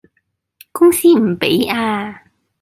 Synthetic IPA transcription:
kʊ˥ŋsiː˥m̩˨˩pe˨˥jaː˧

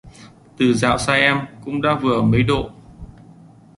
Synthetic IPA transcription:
t̪ɨ˨˩za̰ː˧˨wsaː˧ʔɛ˧mkʊ̰˧˥ŋ͡mɗa̰ː˧˥vɨ˨˩əmə˨˦jɗo̰˧˨

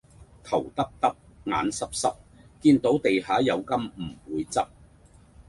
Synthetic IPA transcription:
t̪ʰɐ˨˩wt̪ɐ˥p̚t̪ɐ˥p̚ŋa̰ː˨˥nsɐ˥p̚sɐ˥p̚kiː˧nt̪o˨˥wt̪e˨jhaː˨˥jɐ˨˧wkɐ˥mm̩˨˩uː˨˧jt͡sɐ˥p̚

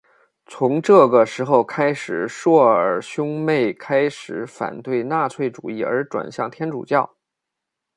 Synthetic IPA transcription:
t͡sʰʊ˧˥ŋʈ͡ʂɤ˥˩ɡə˩ʂɻ̩˧˥xo˥˧ʊkʰa˥ɪʂɻ̩˨˩ʂwɔ˥˩ə˞˨˩ɕjʊ˥ŋme˥˩ɪkʰa˥ɪʂɻ̩˨˧˥fa̰˨˩nt̪we˥˧ɪna˥˧t͡sʰwe˥˩ɪʈ͡ʂṵ˨˩i˥˩ə̰˞˧˥ʈ͡ʂwa̰˨˩nɕjɑ˥˩ŋt̪ʰjɛ˥nʈ͡ʂṵ˨˩t͡ɕjɑ˥˩ʊ

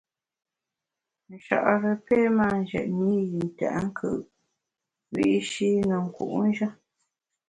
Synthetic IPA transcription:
n̩˨ʃa̰˨ʔɾə˨peː˦ma˦˨n˨d͡ʒɛ̰˨ʔni˦ji˨n̩˨ta̰˨ʔŋ̩˦kʰɯ̰˨ʔ | wi˦˨˦ʃi˦nə˨ŋ̩˨kṵ˨ʔn˦ʒə˦

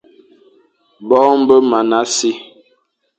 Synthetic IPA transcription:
bɔ˦m̩˦bə˦ma˨na˨˦si˦

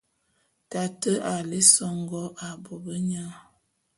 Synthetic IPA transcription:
ta˨tə˦ʔa˨le˦sɔ˦ŋɡɔ˦ʔa˨bɔ˨bə˦ɲa˦

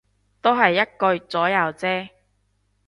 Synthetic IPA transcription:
t̪o˥wɦɐ˨jːɐ˥t̚kɵ˧ɥt͡sɔː˨˥jɐ˨wt͡sɛː˥

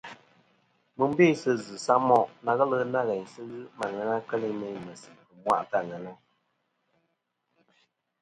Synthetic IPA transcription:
mɨ˨m̩˦be˦˨sɨ˦zɨ˨sa˦ʔmɔ˦ʔna˨ɣə˦lə˦na˦ɣɛ˨ɲ˨sɨ˦ɣɨ˦ma˨ŋɛ˨na˦kɛ˦li˦mɛ˨ɲ˨mə˨si˨bɨ˨mwa̰˦ʔta˦˨ŋɛ˨na˦

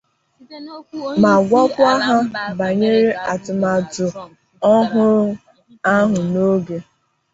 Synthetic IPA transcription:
ma˨ɡʷɔ˦pʊ˦a˦ɦa˦ba˨ɲe˦ɾe˦a˨tʊ˨ma˨tʊ˨ | ɔ˦ɦʊ˦ɾʊ˦ | a˦ɦʊ˨no˦ɡe˦

